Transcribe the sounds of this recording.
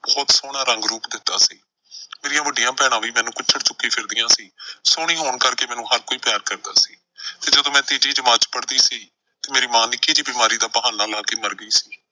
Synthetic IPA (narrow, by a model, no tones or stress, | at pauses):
bɔːt̪soːɽ̃aːɾəŋɡɾuːpd̪ɪt̪ːa̰ːsḭː | meːɾijãːbəɖɪjãːpɛːɽ̃ãːʋiːmɛːnũːkʊt͡ʃʰəɽt͡ʃʊkːĩːpʰɪɾd̪ɪjãːsiːsoːɽ̃iːɦoːɳkəɾkeːmɛ̃ːnũːɦəɾkoːiːpaːɾkəɾd̪aːsiː | t̪eːd͡ʒəd̪õːmɛ̃ːt̪eːd͡ʒiːd͡ʒɪmaːt͡ʃpəɽd̪iːsiː | t̪eːmeːɾiːmaːnɪkːiːd͡ʒiːbɪmaːɾiːd̪aːpəɦaːnaːlaːkeːməɾɡəiːsiː